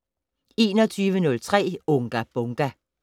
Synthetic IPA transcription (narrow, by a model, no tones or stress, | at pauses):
e̝̰ːnɒt͡sʰyːʋənɔ̽lt͡sʰʁɛ̰ːɔŋɡ̥æb̥ɔŋɡ̥æ